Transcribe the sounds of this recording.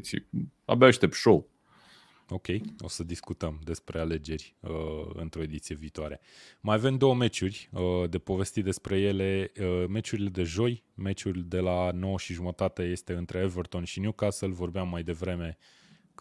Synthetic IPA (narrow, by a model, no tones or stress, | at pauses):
t̪sʲḭa̰baʃt̪ep̚t̪ʃow | o̞kʲe̞jo̞səd̪iskut̪əmd̪e̞spɾe̞ale̞d͡ʒe̞ɾʲəɨ̰nt̪ɾo̞e̞d̪it̪sije̞viːt̪oaɾe̞majave̞md̪o̞wəme̞t͡ʃurʲəd̪e̞po̞ve̞st̪it̪̚d̪espɾe̞je̞le̞əme̞t͡ʃuɾile̞d̪e̞ʒo̞j | me̞t͡ʃurʲd̪e̞lano̞wəʃiʒumət̪at̪əje̞st̪e̞ɨnt̪ɾʔe̞evərt̪o̞nʃinjukasəlvo̞rbeamːajd̪e̞vɾe̞me̞